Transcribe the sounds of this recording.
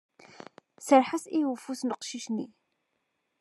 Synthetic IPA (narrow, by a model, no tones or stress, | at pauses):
səɾħasijufuθnəqʃiʃnḭ